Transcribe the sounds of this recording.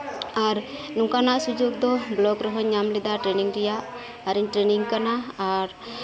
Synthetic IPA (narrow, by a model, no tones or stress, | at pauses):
aɾ | nuŋkanasud͡ʒɔɡ̚d̪ɔblɔɡɾɔɦɔɲamlɛd̪aʈɾɛniŋɾɛjaː | ɾiɲʈɾɛniŋkanaːɾ